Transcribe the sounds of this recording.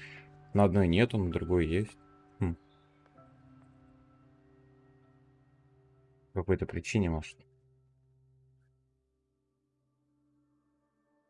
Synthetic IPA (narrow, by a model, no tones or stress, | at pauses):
nəɐd̪no̞jnʲet̪ʊnəd̪ɾʊɡo̞jəjesʲt̩ʲ | pkɐko̞jt̪əpɾʲɪt͡ɕinʲɪmoʐɨt̪